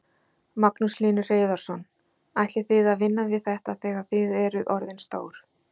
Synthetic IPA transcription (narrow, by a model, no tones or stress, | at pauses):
maknusliːnʏr̥eːjðɔɾ̥sɔn | ajt̪lɪθɪðaðvɪnːavɪðθɛht̪aθɛːɣaθɪðɛɾʏðʔɔɾðɪnst̪o̰ːwɾ̥